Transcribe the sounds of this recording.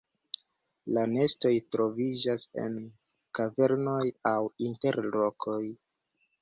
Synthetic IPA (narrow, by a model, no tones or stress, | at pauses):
lane̞sto̞jtɾo̞vid͡ʒase̞̰n | kave̞ɾno̞jawinte̞ɾlo̞kʰo̞j